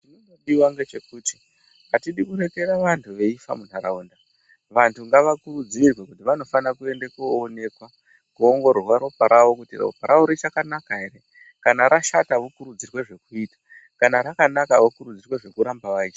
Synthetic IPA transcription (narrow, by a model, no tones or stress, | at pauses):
tinonoɗiwaŋɡe̞t͡ʃe̞kuːti̥ | atiɗikuɾe̞ke̞ɾaʋantʰuʋe̞ifa̰mun̤aɾauːnda | ʋantʰuŋɡaʋakuɾud͡zirwekutiʋano̞fanakue̞ndekuone̞kwa | kuoŋɡo̞rwaɾo̞paɾʔaʋo̞kutiro̰paɾauɾit͡ʃakanakaɦe̞re̞ | kanaɾʔaʃataʋokuɾud͡zirwe̞ʐe̞kuiːtḁ | kanaɾakanakaʋokuɾud͡zirwe̞ʐe̞kuɾambaʋaiːt͡ʃa